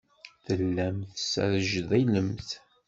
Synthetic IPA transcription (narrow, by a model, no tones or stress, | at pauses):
θəlːæmθsæ̰ɾəʒðæjləmθ